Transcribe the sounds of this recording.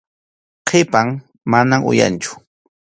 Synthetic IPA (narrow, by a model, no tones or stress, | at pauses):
qʰepaŋ | manamʊ̰ja̰nt͡ʃʊ̥